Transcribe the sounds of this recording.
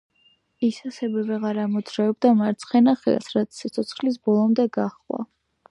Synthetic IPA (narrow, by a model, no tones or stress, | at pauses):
isasɛvɛvɛʁaɾamɔd̪zɾaɛb̚d̪amaɾt̪sʰχɛnaχɛ̰ɛ̰sɾat̪sʰːit̪sʰɔt̪sʰχlis̬bɔlˠɔmd̪ɛɡaχwa̰